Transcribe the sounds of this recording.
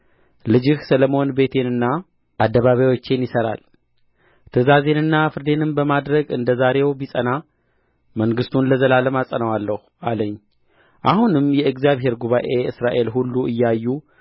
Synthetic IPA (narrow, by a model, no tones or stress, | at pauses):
lɨd͡ʒɪhsələmo̞nbe̞t̪ʰe̞nɨnːa | ʔad̪ːəβaβjawo̞t͡ʃːenjɪsəɾa̰l | t̪ʰəzaze̞nɨnːafɨɾd̪e̞nɨnbəmad̪ɾəɡɨnd̪əzaɾe̞wbisʼəna | məŋɡɨst̪ʰunləzəlaləmasʼənəwalːəhuʔaləɲː | ʔahunɨmjɛɨɡzjaβɦe̞ɾɡuβaʔe̞ɨsɾaʔe̞lɦulːuɨjːɛajːu